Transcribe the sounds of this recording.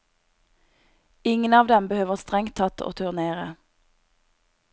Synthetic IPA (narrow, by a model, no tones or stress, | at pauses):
ɪŋənɑːʋd̪ɛmbəhøːʋəʁst̪ʁɛŋt̪ʰɑt̪ʰo̰ːt̪ʰʉːʁneːʁə